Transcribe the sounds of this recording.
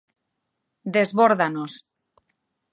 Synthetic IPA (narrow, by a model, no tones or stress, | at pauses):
d̪ezβoɾðanos